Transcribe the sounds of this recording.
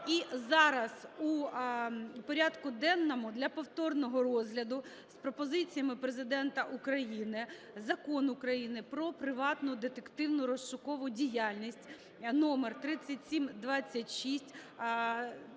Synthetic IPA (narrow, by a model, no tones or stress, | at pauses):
izɑɾɐzu | pɔɾʲɑd̪kʊd̪ɛnːɔmʊd̪lʲɐpɔwt̪ɔrnɔɦɔrɔzɦlʲɐd̪ʊ | spɾɔpɔzɪt͡sʲijɐmɪpɾezɪd̪ɛnt̪ɐʔukɾɐjinɪ | zɐkɔnʊkɾɐjinɪpɾɔpɾɪʋɑt̪nʊd̪et̪ekt̪ɪwnʊɾɔst͡ʃʊkɔʋʊdʲijalʲnʲisʲtʲ | nɔmert̪ɾɪt͡sʲːɐtʲsʲimd̪ʋɑt͡sʲːɐtʲʃisʲtʲ